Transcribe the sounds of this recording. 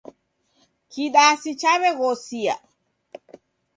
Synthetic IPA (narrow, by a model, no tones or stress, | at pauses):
kiɗaːsit͡ʃaβɛɣɔsia̰